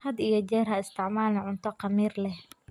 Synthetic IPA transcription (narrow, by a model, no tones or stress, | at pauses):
hɐd̪ijɔd͡ʒɛːrhɐɪst̪ʰɪʕmaːlɛʕʊnt̪ʰɔqɑmiːrlɛh